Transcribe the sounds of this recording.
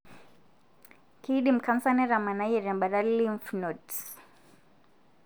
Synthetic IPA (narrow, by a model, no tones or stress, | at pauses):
kiɗim̩kamsanɛɾamanajɛɾamɓaɾalːiɱfnɔt